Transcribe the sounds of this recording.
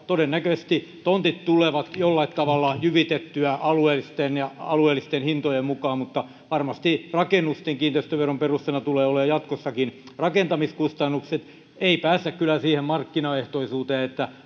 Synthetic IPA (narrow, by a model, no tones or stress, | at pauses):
t̪odenːækøst̪it̪ont̪it̪t̪uleʋɑt̪jolːɑit̪t̪ɑʋɑlːɑjyʋit̪et̪ːyæʔɑluelːist̪enjɑɑ̰lueːlːˑist̪enhint̪ojemmukɑːmmut̪ːɑ | ʋɑrmɑst̪irɑkenːust̪eŋkiːnt̪eist̪øʋeromperust̪enɑt̪uleːoleːjɑt̪kosːɑkinrɑkent̪ɑmiskust̪ɑnːukset̪ | eipæːst̪ːækkylːˑæsiːhemmɑrkːinɑeht̪oisuːt̪eːet̪ːæ